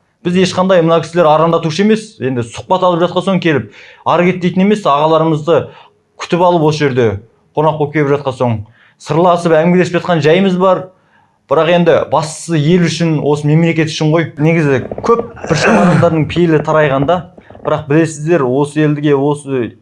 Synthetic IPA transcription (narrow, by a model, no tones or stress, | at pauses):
b̥ɪze̞ʃqɑnd̪ɑjmənɑkʲɪsɪleɾɑɾɑnd̪ɑt̪uʃəe̞me̞sje̞nd̪ɪsʊ̥q̚pɑt̪ɑlˠəpʒɑt̪qɑno̞ɴŋkʲʰe̞lɪp̚ɑɾɡʲe̞t̪ːe̞jt̪ɪne̞me̞sɑʁɑlˠɑɾəməzd̪ə | kʲʰʏ̥t̪ɪpɑlˠəpwo̞s̬əʒe̞ɾd̪e̞ | qʰo̞nɑqːopkʲʰe̞lpʒɑt̪̚qɑnso̞ɴ | səɾlˠɑsəpæŋɡʲɪleɪpʒɑt̪̚qɑnʒæjməzbɑɾ | b̥ɪɾɑqe̞nd̪ɪbɑst̪ə̥səje̞lʏʃɪnwʔo̞səme̞mle̞kʲe̞t̪ʏ̥ʃɪɴʁo̞jneɡʲɪzɪkʲʰɵp̚bɪɾʃɑɑnɑzd̪ɑɾd̪əɴpʰejelɪt̪ʰɑɾɑjʁɑnd̪ɑ | b̥ɪɾɑq̚bɪle̞sɪzd̪e̞ɾwo̞səe̞ld̪ɪɡʲe̞wo̞sə